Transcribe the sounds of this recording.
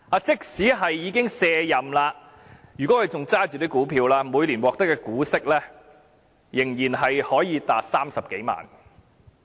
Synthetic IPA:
aː˧t͡sɪ˥k̚siː˨˥ɦɐ˨jːiː˨˧kɪ˥ŋsɛː˧jɐ˨mlaː˧ | jyː˨kɔ˨˥hɐ˨˧jt͡sʊ˨ŋt͡saː˥t͡ʃy˨t̪iː˥kuː˨˥pʰiː˧wlaː˥muː˨˧jliː˨˩nwɔː˨k̚t̪ɐ˥kːɛː˧kuː˨˥sɪ˥k̚lɛː˥ | jɪ˨˩ŋjiː˨˩nɦɐ˨jhɔː˨˥jiː˨˧t̪aː˨t̚saː˥msɐ˨p̚ke˨˥jma̰ː˨n

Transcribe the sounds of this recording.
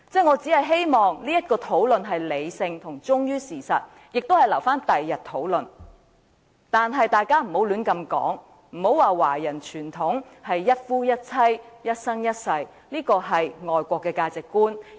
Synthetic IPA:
t͡sɛː˥˩ŋɔː˨˧t͡si˨˥ɦɐ˨jɦe˥jmɔː˨ŋliː˥jɐ˥t̚kɔː˧t̪ʰo˨˥wlɵ˨nɦɐ˨jle˨˧jsɪ˧ŋt̪ʰʊ˨˩ŋt͡ʃʊ˥ŋjyː˥siː˨˩sɐ̰˨t̚ | jɪ˨k̚t̪o˥whɐ˨jlɐ˨˩wfaː˥nt̪ɐ˨jːɐ˨t̪ʰo˨˥wlɵ˨n | t̪aː˨nɦɐ˨jt̪aː˨jkaː˥m̩˨˩ho˨˥wlyː˨˥nkɐ˧mkɔ̰ː˨˥ŋ | m̩˨˩ho˨˥waː˨waː˨˩jɐ˨˩nt͡ʃʰyː˨˩nt̪ʰʊ˨˥ŋhɐ˨jːɐ˥t̚fuː˥jɐ˥t̚t͡sʰɐ˥jjɐ˥t̚sɐ˥ŋjɐ˥t̚sɐ˧j | liː˥kɔː˧ɦɐ˨jŋɔː˨jkʷɔː˧kːɛː˧kaː˧t͡sɪ˨kːuː˥n

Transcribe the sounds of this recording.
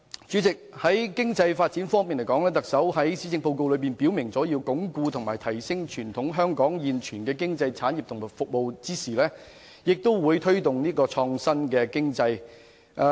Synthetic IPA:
t͡ʃyː˨˥t͡sɪ˨k̚hɐ˨˥jkɪ˥ŋt͡sɐ˧jfaː˧t̚t͡siː˨˥nfɔː˥ŋmiː˨nljkɔː˨˥ŋlɛː˥t̪ɐ˨k̚sɐ˨˥whɐ˨˥jsiː˨˥t͡sɪ˧ŋpo˧wko˧wlɵ˨˧ɥpiː˨˩npi˨˥wmɪ˨˩ŋt͡sɔː˨˥jiː˧wkʊ˨˥ŋkuː˧t̪ʰʊ˨˩ŋmaː˨˩jt̪ʰɐ˨˩jsɪ˥ŋt͡ʃʰyː˨˩nt̪ʰʊ˨˥ŋɦœː˥ŋkɔː˨˥ŋjiː˨nt͡ʃʰyː˨˩nkɛː˧kɪ˥ŋt͡sɐ˧jt͡sʰaː˨˥nji˨p̚t̪ʰʊ˨˩ŋm˨˩fʊ˨k̚mo˨wt͡siː˥siː˨˩lɛː˥ | jɪ˨k̚t̪o˥wwuː˨˧jt̪ʰɵ˥ɥt̪ʊ˨ŋniː˥kɔː˧t͡sʰɔː˧ŋsɐ˥nkɛː˧kɪ˥ŋt͡sɐ˧j

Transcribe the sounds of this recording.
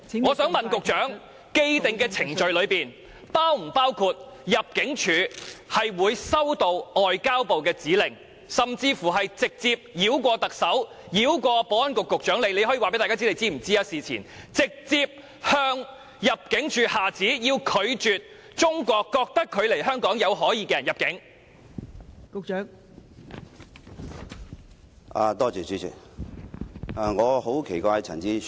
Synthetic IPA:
ŋɔː˨˧sœː˨˥ŋmɐ˨nkʊ˨k̚t͡ʃœː˨˥ŋ | ke˥jt̪ɪ˨ŋkɛː˧t͡sʰɪ˨˩ŋt͡ʃɵ˨ɥlɵ˨˧ɥpiː˨n | paː˥wm̩˨˩paː˥wkʰuː˧t̚ | jɐ˨p̚kɪ˨˥ŋt͡ʃʰyː˨˧hɐ˨jwuː˨˧jsɐ˥wt̪o˧wɔː˨jkaː˥wpo˨wkɛː˧t͡siː˨˥lɪ˨˩ŋ | sɐ˨mt͡siː˧fuː˨˩ɦɐ˨jt͡sɪ˨k̚t͡siː˧p̚jiː˨˥wkʷɔː˧t̪ɐ˨k̚sɐ˨˥w | jiː˨˧˥wkʷɔː˧pɔː˨˥wɐ˥nkʊ˨kːʊ˨k̚t͡ʃœː˨˥ŋle˨˧jle˨˧jhɔː˨˥ji˨˧wa˨pe˧˥t̪aː˨kaː˥t͡si˥le˨˧jt͡siː˥m̩˨˩t͡siː˥jɐ˥siː˨t͡sʰḭː˨˩nt͡sɪ˨k̚t͡siː˧p̚ | hœː˧ŋ | jɐ˨p̚kɪ˨˥ŋt͡ʃyː˨˧haː˨˩t͡siː˨˥jiː˧wkʰɵ˨˧ɥt͡ʃyː˨t̚ | t͡ʃʊ˥ŋkʷɔː˧kːɔː˧k̚t̪ɐ˥kʰːɵ˨˧ɥle˨˩jɦœː˥ŋkɔː˨˥ŋjɐ˨˧wɦɔː˨˥jiː˧kɛː˧jɐ˨˩njɐ˨p̚kɪ˨˥ŋ | kʊ˨k̚t͡ʃœː˨˥ŋ | a̰ː˨˧t̪ɔː˥t͡ʃyː˨syː˨˥t͡ʃʰy̰ː˨˩ | a˨ŋɔː˨˧ho˨˥wkʰe˨˩jkʷaː˧jt͡sʰɐ̰˨˩ŋt͡siː˥

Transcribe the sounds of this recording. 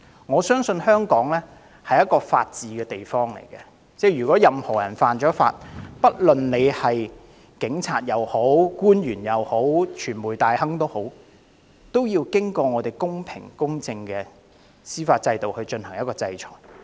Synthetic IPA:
ŋɔː˨˧sœː˥ŋsɵ˧nhœː˥ŋkɔː˨˥ŋlɛː˥ | hɐ˨jɐ˥t̚kɔː˧faː˧t̚t͡siː˨˧kɛː˧t̪e˨jfɔː˥ŋlḛ˨˩jkɛ˧ | t͡sɛː˥jyː˨˩kɔː˨˥jɐ˨mhɔː˨˩jɐ̰˨˩nfaː˨nt͡ʃɔː˨˥fa̰ː˧t̚pɐ˥t̚lɵ˨nne˨˧jhɐ˨j | kɪ˨˥ŋt͡sʰaː˧t̚jɐ˨˩who˨˥wkuː˥njyː˨˩njɐ˨who˨˥wt͡ʃʰyː˨˩nmuː˨˩jt̪aː˨jhɐ˥ŋt̪o˥who˨˥w | t̪o˥wjiː˧wkɪ˥ŋkɔː˧ŋɔː˨˧t̪e˨jkʊ˥ŋpʰɪ̰˨˩ŋkʊ˥ŋt͡sɪ˧ŋkɛː˧ | siː˥faː˧t̚t͡sɐ˧jt̪o˨whɵ˧ɥt͡ʃɵ˧nhɐ˨˩ŋjɐ˥tkɔː˧t͡sɐ˧jt͡sʰɔ̰ː˨˩j

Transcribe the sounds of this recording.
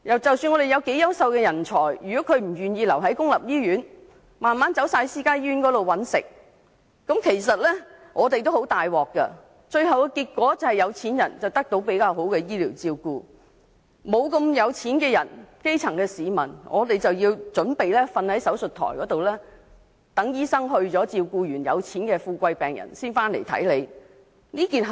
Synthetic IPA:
jɐ˨wt͡sɐ˨wsyː˧nŋɔː˨˧de˨jɐ˨˧wke˨˥jɐ˥wsɐ˧wkɛ˧jɐ˨˩nt͡ʃʰɔː˨˩jjyː˨˩kɔː˨˥kʰɵ˨˧ɥm̩˨˩ɥyː˨njiː˧lɐ˨˩wɦɐ˨˥jkʊ˥ŋlɐ˨p̚jiː˥ɥyː˨˥n | maː˨nmaː˨˥nt͡sɐ˨˥wsaː˧jsiː˥kaː˥jjyː˥nkɔː˨˥lo˨wɐ˨˥nsɪ̰˨k̚ː | ɐ˨˥mkʰe˨˩js̬ɐ˨t̚lɛː˥ŋʔɔː˨˧t̪e˨jt̪o˥who˨˥wt̪aː˨jwɔː˨˩kːɐ̰˧ | t͡ʃɵ˧ɥhɐ˨wkkiː˧t̚kʷɔː˨˥t͡sɐ˨˧hɐ˨˩jɐ˨˧wt͡sʰiː˨˥njɐ˨˩nt͡sɐ˨wt̪ɐ˥k̚t̪o˨˥wpe˨˥jkaː˧wɦo˨˥wkɛ˧jiː˥liː˨˩wt͡siː˧wkuː˨˧ | mo˨˧wkɐ˧mjɐ˨˧wt͡sʰiː˨˥nkɛː˧jɐ˨˩nke˥jt͡sʰɐ˨˩ŋkɛː˧siː˨˧mɐ˨˩nŋʔɔ̰ː˨˧t̪e˨jt͡sɐ˨wjiː˧wt͡ʃɵ˨˥npe˨jlɛː˥fɐ˧nhɐ˨˥jsɐ˨˥wsɵ˨t̪ʰɔ̰ː˨˩jkɔː˨˥t̪o˨wlɛː˥ | t̪ɐ˨˥ŋjiː˥sɐ˥ŋɦɵ˧ɥt͡sɔː˨˥t͡siː˧wkuː˧jyː˨˩njɐ̰˨˧wt͡sʰiː˨˥nkɛː˧fuː˧kʷɐ˧jpɛː˨˩ŋjɐ̰˨˩nsiː˥nfaː˥nlḛ˨˩jt̪ʰɐ̰˨˥jle˨˧j | niː˥kiː˨nɦ

